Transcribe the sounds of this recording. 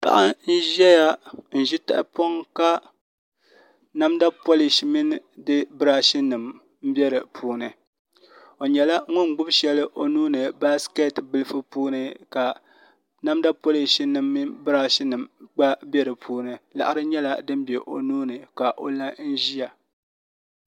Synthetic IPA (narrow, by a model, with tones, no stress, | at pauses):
pa̰˦ʔa˦n̩˦ʒɛ˦ja˦n̩˨ʒi˦ta̰˦ʔpo˦ŋka˦ | na˦mda˦po˦li˨ʃi˨˦mi˦n˦dɨ˦bɨ˦ɾaː˦ʃi˦nɨ˨m | m̩˦bʲɛ˦ɾɨ˨pʰuː˦nɨ˨ | o˨ɲɛ˨la˦ŋʊ˦ŋ̩˨ɡ͡bʊ˦bʃɛ˦lɨ˦ʔo˨nuː˦nɨ˨ba˦skɛ˦˨tbɨ˦lɨ˦fɨ˦puː˦nɨ˦ka˨ | na˦mda˦po˦li˨ʃi˦nɨ˨mːi˦bɨ˦ɾa˦ʃi˦nɨ˨mɡ͡ba˦bʲɛ˦ɾɨ˨pʰuː˦nɨ˨la̰˨ʔa˦ɾɨ˦ɲɛ˦la˦dɨ˦m˦bɛ˨ʔo̰˨nuː˦nɨ˨ka˨ʔo˨la˦n̩˦ʒi˦ja˨